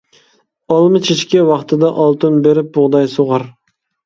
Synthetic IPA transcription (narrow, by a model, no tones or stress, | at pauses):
ɑlˠmɨt͡ʃʰet͡ʃkʲɛwɑχt̪ʰɨd̪ɑʔɑlˠt̪ʰɨnbeɾɪp̚bʊʁd̪ɑjsoʁɑɾ